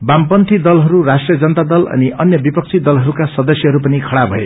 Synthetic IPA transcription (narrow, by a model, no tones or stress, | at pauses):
bampʌnt̪ʰid̪ʌlɦʌɾurasʈrijʌd͡zʌnʌt̪ad̪ʌlʌ̰niʔʌnjʌbipʌk̚t͡sʰid̪ʌlɦʌɾukasʌd̪ʌsjʌɦʌɾupʌnikʰʌɽabʱʌ̰ḛ